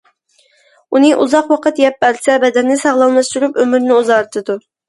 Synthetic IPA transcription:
unɨʔuzɑqwɑqʰət̪jɛp̚ːbɛɾsɛbɛd̪ɛnːɪsɑʁlˠɑlˠmɑʃt̪uɾupømyɾnɪuzɑɾt̪ʰɨd̪u

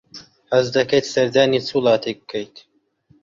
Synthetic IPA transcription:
hɐzd̪ɐkɐjt̪sɐɾd̪aːnit͡suːlˠɑːt̪ʰek̚kʰːɐjt̪

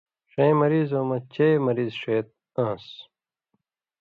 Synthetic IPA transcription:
ʂẽjmɐɾiːzoːmɐt͡ɕeːmɐɾiːzʂeːt̪̚ | ãːs

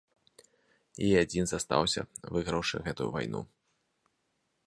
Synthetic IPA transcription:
iad͡zʲinzast̪a̰wsʲɐ̰vɨɣɾɐwʂɨ̰ɣɛt̪ujṵva̰jnṵ

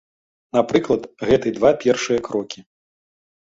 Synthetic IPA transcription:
napɾɨklˠɐt̪ɣɛt̪ɨd̪vapʲɛrʂɨjɐkɾɔkʲi

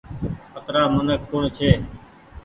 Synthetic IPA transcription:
pət̪ɾaːmənəkːʊɳt͡ʃʰeː

